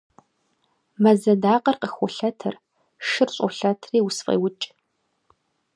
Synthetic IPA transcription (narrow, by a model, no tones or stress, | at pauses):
mɐzɐdaːqɐrqəxʷɔɬɐtʰɨr | ʂɨrɕʼɔɬɐtʰriːwsfʼḛːwʊt͡ʃʼ